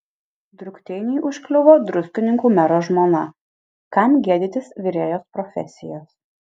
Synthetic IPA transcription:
d̪ɾʊkt̪ʲɛɪnʲɛːʔʊʃʲkʲlʲʊʋoːd̪ɾʊsʲt̪ʲɪnʲɪŋkuːmʲɛɾoːʒmoːnɐ | kɐmɡʲiɛd̪ʲɪt̪ʲɪsʋʲɪɾʲeːjoːspɾɔfʲɛ̰sʲɪjoːs

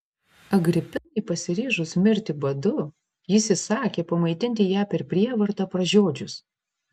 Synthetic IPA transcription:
ɐɡɾʲɪpʲɪnɐɪpɐsʲɪɾʲeːʒʊsmʲɪɾʲt̪ʲɪbɐd̪ʊ | jɪsʲɪsɑːkʲeːpɐmɐɪt̪ʲɪnʲt̪ʲɪjæːpʲɛɾpʲɾʲiɛʋɐɾt̪ɐpɾɐʒʲoːd͡ʒʲʊs

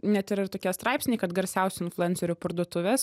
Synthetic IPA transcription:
nʲɛt̪ɪɾɪrt̪oːkʲiɛst̪ɾɑɪpsʲnʲeɪkɐt̪ɡɐɾʲsʲɛʊsʲʊɪnflˠʊɛnsʲoɾʲʊːpɐɾd̪uɔt̪ʊʋʲɛs

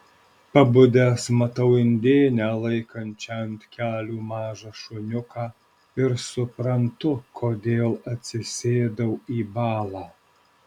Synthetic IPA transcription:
pɐbʊd̪ʲeːsmɐt̪ɐʊɪnʲd̪ʲeːnʲæːlˠɐɪkɐnʲt͡ʃʲɛɐnʲt̪ʲkʲæːlʲuːmɑːʒɐʃʊnʲʊkɑː | ɪɾsʊpɾɐnt̪ʊkʰoːd̪ʲeːlˠɐt̪ʲsʲɪsʲeːd̪ɐʊiːbɑːlˠɑː

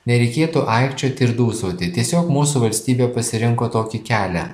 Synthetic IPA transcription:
nʲɛɾʲɛɪkʲeːt̪uʔɐɪkʃʲt͡ʃʲoːt̪ʲɪɾd̪uːsoːt̪ʲɪt̪ʲiɛsʲoːkmuːsuʋɐlʲsʲt̪ʲiːbʲeːpɐsʲɪɾʲɪŋkoːt̪oːkʲɪkʲæːlʲɛ̰

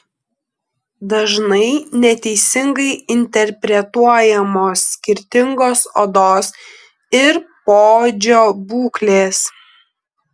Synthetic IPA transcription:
d̪ɐʒnɐɪnʲɛt̪ʲɛɪsʲɪŋɡɐɪɪnʲt̪ʲɛɾʲpʲɾʲɛt̪uɔjɛmoːsːʲkʲɪɾʲt̪ʲɪŋɡoːso̰ːd̪oːs | ɪɾpoːd͡ʒʲoːbuːklʲeːs

